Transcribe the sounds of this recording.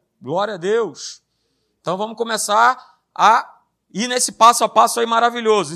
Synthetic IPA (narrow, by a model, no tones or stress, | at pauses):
ɡlɔɾjɐd̪ews | ẽt̪ɐ̃w̃vɐ̃mʊkomesaɾ | a | inesɪpasʊapasʊaimaɾaviʎozʊ